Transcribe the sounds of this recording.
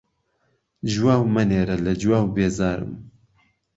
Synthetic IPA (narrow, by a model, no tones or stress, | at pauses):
d͡ʒwaːwmɨneːɾɐlɐd͡ʒwaːwbeːzaːɾɨ̰m